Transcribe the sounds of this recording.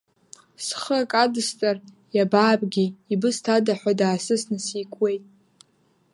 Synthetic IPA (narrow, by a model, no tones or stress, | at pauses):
sχəakʼadɨst͡sʼar | jabaːbʼɡʲiːbɨstʰadaħʷadaːsɨsnɨsikʷʰʼwe̞jtʼ